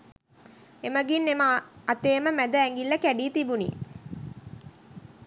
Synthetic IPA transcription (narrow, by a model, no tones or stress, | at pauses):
eməɡinːeməɐt̪eːməmæd̪əæŋɡilːɐkæɖiːt̪ibunḭ